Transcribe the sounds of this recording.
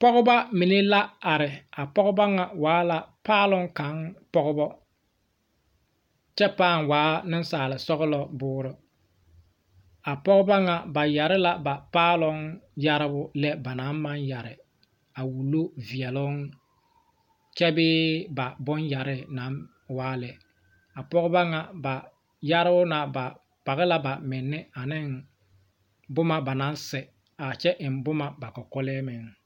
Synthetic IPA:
pɔ˦ɣʊ˦ba˦mi˨ne˦la˦a˨ɾɪ˨a˨pɔ˦ɣʊ˦ba˦ŋa˨waː˨˦la˦paː˦lʊ˦ŋka˨˦ŋpɔ˦ɡʊ˦bɔ˦ | t͡ʃɛ˦paː˦˨ŋwaː˨˦nɪ˦n˦saː˨lɪ˨sɔ˦ɣʊ˦lɔ˦bʊː˦ɾʊ˦ | a˨pɔ˦ɣʊ˦ba˦ŋa˨ba˨ja˨ɾɪ˦la˦ba˨paː˦lʊ˦ŋja˦ɾɪ˦bʊ˦lɛ˦ba˨na˨˦ma˦nja˨ɾɪ̰˨ | a˨wu˨lo˦vi˨ɛ˨lʊ˦ŋ | t͡ʃɛ˦bɪː˦ba˨bʊ˦nja˨ɾɪ˦na˨˦n | waː˦lɛ˨ | a˨pɔ˦ɣʊ˦ba˦ŋa˨ba˨ | ja˦ɾɪ˦bʊ˦na˨ba˨ | pa˨ɣɪ˦la˦ba˨mɪ˨nːɛ˦a˨nɪ˦ŋ | bʊ˦ma˦ba˨na˨˦n˦sɛ˨ | a˨t͡ʃɛ˦ʔɪ˨nbʊ˦ma˦ba˨kɔ˨kɔ˦lɛː˦mɪ˨ŋ

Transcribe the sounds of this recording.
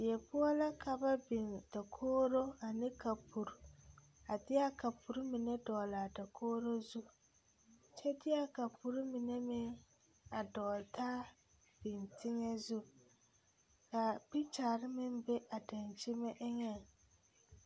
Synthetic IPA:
ɪ˨jɛ˨pʊ˦ɔ˦la˦kʰa˦ba˦bi˨nda˨kʰoː˦ɾo˦a˨nɪ̃˦kʰa˨pʰu˨ɾ | a˨dɪ˦a˦ka˨pʰu˨ɾu˦mɪ˨nɛ˦dɔː˨la˨da˨kʰoː˦ɾo˦zu˦ | t͡ʃʰɛ˦dɪ˦a˦ka˨pu˨ɾu˦mi˨nɛ˦mɪ˦ŋ | a˨dɔː˨ltʰaː˦ | b̥ɪ˨ntʰɪ˦ŋɛ˦zu˦ | ka˨pi˦t͡ʃaː˨ɾɪ˦mɪ̃˦nbɛ˦ʔa˨da˨nt͡ʃi˦mɛ˦ʔɪ˦ɲɛ˦˨ŋ

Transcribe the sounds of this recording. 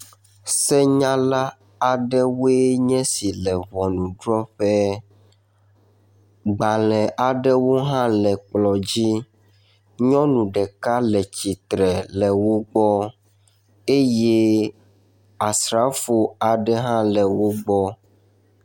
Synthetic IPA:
sɛ˦ɲã˦la˦ | a˨ɖɛ˦wo˦e˦ɲɛ̃˦si˨lɛ˨vɔ˨nũ˨ɖɾɔ˦ɸɛ˦ | ɡ͡ba˨lɛ̃˨ʔa˨ɖɛ˦wo˦ɦã˦lɛ˨k͡plɔ˨d͡ʑi˦ | ɲɔ̃˦nũ˨ɖɛ˨ka˦lɛ˨t͡ɕi˨t̪ɾɛ˨lɛ˨wo˦ɡ͡bɔ˦ | e˦je˦ | a˨sɾa˨˦fo˨a˨ɖɛ˦ɦã˦lɛ˨wo˦ɡ͡bɔ˦

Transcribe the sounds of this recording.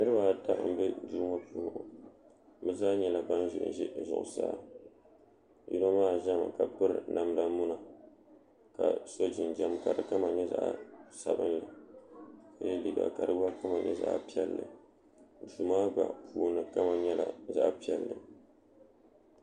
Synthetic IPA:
nɨ˦ɾɨ˦ba˨ta˦ʔm̩˨bɛ˦duː˦ŋa˦pʊ˦lʊ˦˨ʔʊ˨ | bɛ˦zaː˦ɲɛ˦˨la˨ba˦nʒʊ˨ʔʒɛ˦˨zʊ̰˨ʔʊ̰˨sa̰ː˦˨ | ju˦na˦maː˦˨ʒa˦ma̰˨ka˨pɨ˦ɾɨ˨na˨m˦da˦mu˦na˨ | ka˨so˦d͡ʒɪ˨nd͡ʒa˦m˨ka˨dɨ˨ka˦ma˨ɲɛ˦za̰˨ʔsa˨bɨ̰˦nlɨ˨ | ka˨˦jɛ˦li˦ɡa̰˨ka̰˨dɨ˦ba˦ka˦ma˨ɲɛ̰˦za̰˦ʔpi˦ɛ˦lːɨ̰˨ | du˨maː˦ba̰˨pʰuː˨nɨ˨ka˦ma˨ɲɛ˦la̰˨za˦ʔpi˦ɛ˨lːɨ˨

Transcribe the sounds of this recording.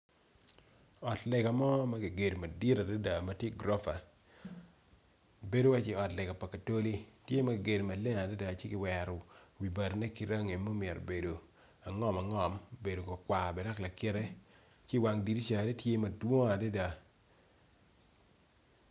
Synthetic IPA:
ɔ˨tlɛ˨ɡa˨mɔ˦ma˦ki˨ɡe˨dma˨di˦ɾa˨da˦da˨ma˨tje˦ɡɾɔ˦fa˨ | be˦do˦wa˦t͡ʃɪ˦˨ɔ˨tlɛ˨ɡa˨pa˨ka˨to˦li˦tje˦ma˨kɪ˨ɡe˨dma˨le˦ŋa˨da˦da˨t͡ʃe˦kɪ˨wɛ˨ɾɔ˨wi˨ba˨ɾnɛ˦ki˦ɾa˦ŋe˨mːo˦mjɛ˨ɾo̰˨be˨do˨ | a˨ŋɔ˦ma˨ŋɔ˨mbe˨do˨kɔ˨kwa˨bɛ˨da˦kla˨kɪ˦ɾɛ˦ | t͡ʃɪ˦˨wa˨ŋdi˨ti˦t͡ʃa˨ɾe˦tje˦mɐ˨dwo˦a˨da˦da˨

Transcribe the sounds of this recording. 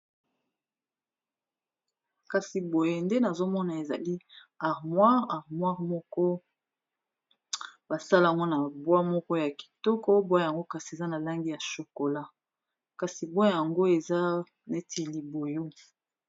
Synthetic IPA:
ka˨si˨bo˨je˨nde˦na˨zo˦mɔ˦na˨e˨za̰˨li˦a˨ʁmwa˦ʁa˨ʁmwa˦ʁmɔ˦kɔ˦ | ba˨sa˦la˨a˨ŋɡo˦na˨bwa˦mɔ˦kɔ˦ja˨ki̥˨tɔ˦kɔ˦bwa˦˨ja˨ŋɡo˦ka˨si˨e˨za˦na˨la˦ŋɡi˦ja˨ʃo˨ko˨la˦ | ka˨si˨bwa˦ja˨ŋɡo˦e˨za˦ | ne˦tʰe˨li˨bo˨jo˦

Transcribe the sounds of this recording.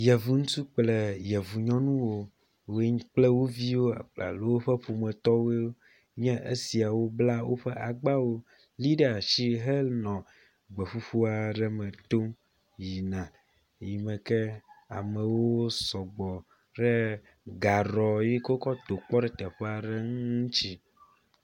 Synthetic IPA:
jɛ˨vu˨ŋũ˦t̪u˦k͡plɛ˦˨jɛ˨vu˨ɲɔ̃˦nũ˦wo˦ | we˦ɲ̃˦k͡plɛ˦wo˦vi˦wo˦a̰˨k͡pla̰˨lo˦wo˦ɸɛ˦ɸo˨mɛ̃˨t̪ɔ˦we˦wo˦ | ɲɛ̃˦ʔe˦si˨a˨wo˦bla˦wo˦ɸɛ˦ʔa˨ɡ͡ba˦wo˦ | li˦ɖe˦a˨ʃi˦ɦɛ˦lnɔ̃˨ | ɡ͡bɛ˨ɸu˦ɸu˦a˨ɖɛ˦mɛ̃˨t̪o˦m | ji˨nã˨ | ji˨mɛ̃˨kɛ˦a̰˨mɛ̃˨wo˦sɔ˨ɡ͡bɔ˨ | ɖɛ˦ | ɡa˨ɾɔ˨ji˦ko˦kɔ˦t̪o˨k͡pɔ˦ɖɛ˦t̪ɛ˨ɸɛ˦a˨ɖe˦ŋ˦ũ˦t͡ɕi˦

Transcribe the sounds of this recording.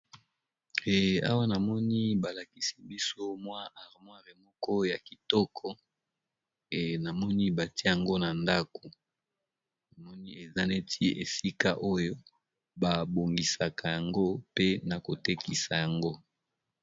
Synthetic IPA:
e˨a̰˦wa˦na˨mɔ˦ni˦ba˨la˨ki˨si˨bi˦so˦mwa˦ʔa˨ʁmwa˦ʁi˨mɔ˦kɔ˦ja˨ki˨tɔ˦kʰɔ˦ | e˨na˨mɔ˦ni˦ba˨ti˦ja˨ŋɡo˦na˨nda˦ko˨ | na˨mɔ˦ni˦e˨za˦ne˦tʰi˦e˨si˦ka˦ʔo˦jo˦ | ba˨bo˨ŋɡi˨sa˨ka˨ja˨ŋɡo˦pe˦na˨ko˨te˦ki˨sa˨ja˨ŋɡo˦

